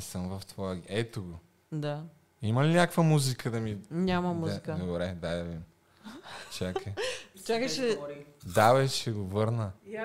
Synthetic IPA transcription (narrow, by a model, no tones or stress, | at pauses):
səmvɐft̪vɔəɡɛt̪oɡo | d̪a | imɐlinʲakəkvɐmuzikʰəd̪ɐmiɲamɐmuzikd̪oɾɛd̪ajd̪ɐvim | t͡ʃakʰɛt͡ʃakəʃɛd̪avɛʃɛɡovəɾnə